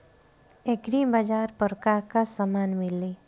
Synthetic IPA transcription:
ekɾibad͡ʒaːɾpəɾkaɾkasəmaːnmɪli

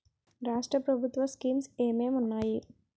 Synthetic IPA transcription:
ɾaːʂʈɾɐpɾɐbʱut̪ʋɐskiːmseːmeːmunːaːji

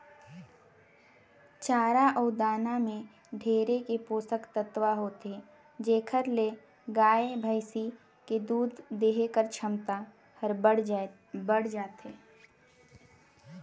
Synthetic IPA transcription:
t͡ʃaːɾaʔɔːd̪aːnamẽ | ɖʱeːɾekepoːsəkt̪ət̪waɦoːt̪e | d͡ʒeːkʰəɾle | ɡaːebʱəɪsi | ked̪uːd̪ʱːeːɦekəɾt͡ʃʰəmt̪a | həɾɽ | bəɽ̤d͡ʒaːt̪eː

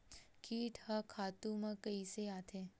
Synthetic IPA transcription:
kʰiːʈhãkʰat̪umãkəjseat̪ʰe

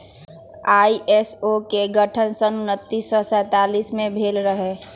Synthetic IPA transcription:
aːiʔeːsokeɡəʈʰənsənʊnət̪ːisːɔsɛ̃ːt̪aːliːsmẽbʱeːlɾəɦeː

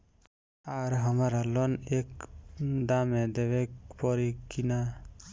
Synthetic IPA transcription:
aɾɦɔmaɾalɔnɛk̚ | d̪amɛd̪ɛbɛk̚pɔɾikina

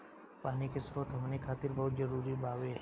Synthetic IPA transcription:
paːnikesɾot̪ɦəmnikʰaːt̪ɪɾbɔɦʊt̪̚d͡ʒəɾuːɾibaːʋeɦ

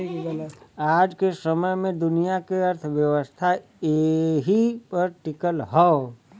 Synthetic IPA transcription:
aːd͡ʒkesəməjmẽd̪ʊnijakeəɾt̪ʰʋjəwəst̪ʰa | eɦipəɾʈɪkəlɦɔ

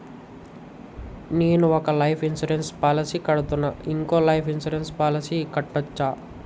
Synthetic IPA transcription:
neːnuɔkɐlɐjpʰinsuɾenspaːlɐsikɐɽut̪unːɐiŋko̞ːlɐjpʰinsuɾenspaːlɐsiːkɐʈːot͡ʃːaː

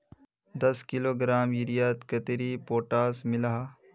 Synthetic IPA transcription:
d̪ɐskɪloːɡɾaːmjiɾijaːt̪kɐt̪eɾiːpoːʈaːsmɪlaɦaː

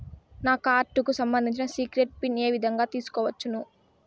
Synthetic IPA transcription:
naːkaːɾʈːukusɐmbɐnd̪ʱiɲt͡ʃinɐsiːkɾeʈ̚pine̞ːʋid̪ʱɐŋɡaːt̪iːsu̥kɔːʋɐt͡ʃːunu

